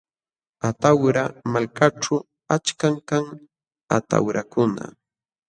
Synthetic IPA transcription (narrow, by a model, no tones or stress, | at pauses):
at̪awɾamalkaʈ͡ʂa | at͡ʃkaŋkaŋ | at̪a̰wɾakʊna̰